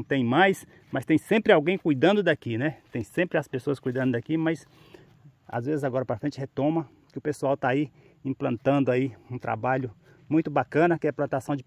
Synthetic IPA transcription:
t̪ẽj̃majs | mɐst̪ẽj̃sẽmpɾɪawɡẽj̃kujd̪ɐ̃nd̪ʊd̪akinɛt̪ẽj̃sẽmpɾɪɐspesoɐskujd̪ɐ̃nd̪ʊd̪akimɐjs | a̰zvezɪzaɡɔɾɐpɾɐfɾẽnt͡ʃɪhet̪õmɐ | kɪʊpesuawt̪ai | ĩplɐ̃nt̪ɐ̃d̪ʊaiũt̪ɾa̰baʎʊ | mũj̃t̪ʊbakɐ̃nɐkɪɛplɐ̃nt̪asɐ̃w̃d͡ʒɪ

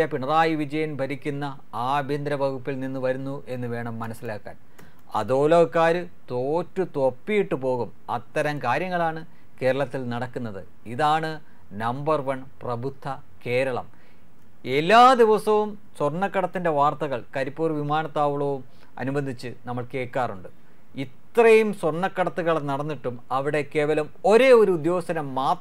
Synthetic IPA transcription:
ɐpiɳɐraːjiʋid͡ʑɐjɐmbʱɐɾikʲːunːɐ | aːbʱind̪ɾɐbʱɐɡupːilninːɨʋɐɾunːuʔe̞nːɨʋe̞ːɳɐmːɐnɐsilaːkːa̰ːn | ɐ̰ðo̞ːlɐʋkːaːɾɨ | t̪oːtːut̪o̞pːijiʈːɨpo̞ːɣum | ɐ̰t̪ːɐɾɐmkaːɾjɐŋːɐɭaːɳɨ | ke̞ːɾɐɭɐt̪ːilnɐɽɐkːunːɐðɨ | iðaːɳɨ | nɐmbɐrʋɐɳ | prɐbʱud̪ʱːɐ | ke̞ːɾɐɭɐ̰m | e̞lːaːd̪iʋɐsɐʋum | sworɳːɐkːɐɽɐt̪ːinde̞ʋaːrt̪ɐɣɐɭkɐɾipːuːrʋimaːnɐt̪ːaːʋuɭoʋum | ɐ̰nubɐnd̪ʱit͡ɕːɨnɐmːɐɭke̞ːkːaːruɳɖɨ | it̪ːrɐjumsworɳːɐkːɐɽɐt̪ːuɣɐɭɐnɐɽɐnːiʈːumɐʋiɽe̞ke̞ːʋɐlɐmo̞ɾe̞ːoɾuud̪jo̞ːsɐnɐmːaː

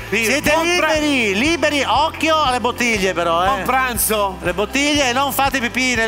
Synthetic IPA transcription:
isjɛːt̪eliːbeɾiliːbeɾiɔkːjoalːebot̪ːiʎːepeɾɔɛmpɾant̪solebot̪ːiʎːeːnːoɱfaːt̪epipːine

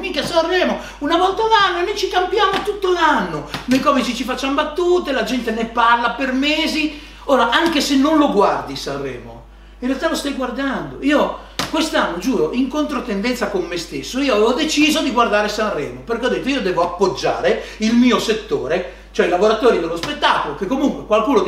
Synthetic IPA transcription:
mikasanrɛːmo | unavɔlt̪alanːonojt͡ʃikampjaːmot̪ut̪ːolanːonojkɔːvit͡ʃit͡ʃifat͡ʃːambat̪ːuːt̪elad͡ʒɛnt̪eneparlapermeːzi | oːɾaʔaŋkesenːonloɡward̪isarːɛ̰ːmo̰ | ĩnrealt̪alost̪ajɡward̪and̪oiːo | kwest̪anːod͡ʒuːɾoʔiŋkont̪ɾot̪end̪ɛnt̪sakomːest̪esːoiːoavɛvod̪et͡ʃiːzod̪iɡward̪aːɾesanrɛːmoperkeɔd̪et̪ːoiːod̪ɛːvoapːod͡ʒːa̰ːɾeilmiːoset̪ːoːɾe | t͡ʃoɛilavoɾat̪oːɾid̪elːospet̪ːaːkolokekːomuŋkwekwalkuːno

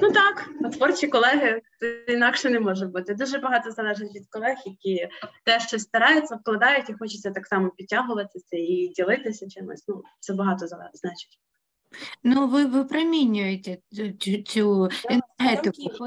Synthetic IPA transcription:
nut̪ɑknɐt̪ʋɔrt͡ʃikɔlˠɛɦɪt̪inɑkʃɛnɛmɔʒʊt̚ʲbut̪ɪd̪uʒɛbɐɦɑt̪ɔzɐlˠɛʒɪtʲʋʲid̪̚kɔlˠɛxjɐkʲit̪ɛʃt͡ʃɔst̪ɐɾɑjʊt͡sʲːɐwklˠɐd̪ɑjʊtʲixɔt͡ʃɪ̥t͡sʲːɐt̪ɑksɑmɔpʲid̚ʲtʲːɑɦʊʋɐt̪ɪsʲɐidʲilˠɪt̪ɪsʲɐt͡ʃɪmɔ̰sʲnut̪sɛbɐɦɑt̪ɔzɐɛznɑt͡ʃɪ̥tʲ | nuʋɪʋɪpɾemʲinʲʊjet̪ʲe | t͡sʲuɛnɦɛt̪ɪkʊ

